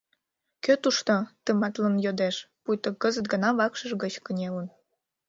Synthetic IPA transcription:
køt̪uʃt̪ot̪əmɑt̪lənjod̪eʃpujt̪ə̆kəzət̪̚ɡə̆nɑβɑkʃə̆ʒɡət͡ɕkənʲelən

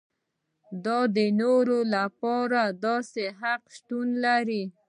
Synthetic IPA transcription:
d̪ɑd̪ənoɾolapɑɾad̪ɑseɦaqʃt̪unlaɾi

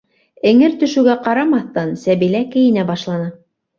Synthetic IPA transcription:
ɘ̆ŋɘɾt̪ɵ̆ʃʉ̆ɡæqɑɾɑmɑθt̪ɑnsæβilækɘ̆jɘ̆næbɑʃlˠɑnɤ

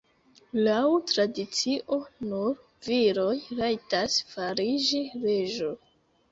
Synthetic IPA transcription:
lawtɾadit͡siʔo̞nuɾ | viɾo̞jɾajtasfaɾid͡ʒiɾe̞ʒo

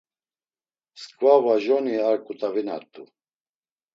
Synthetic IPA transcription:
skʼvavaʒɔniaɾkʼut̪ʼavina̰t̪ʼːu

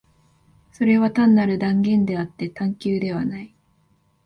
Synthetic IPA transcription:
so̞ɾe̞βat̪ãnːaɾɯ̟d̪ãŋɡẽ̞nd̪e̞at̪ːe̞t̪ãŋkʲɨːd̪e̞βanai

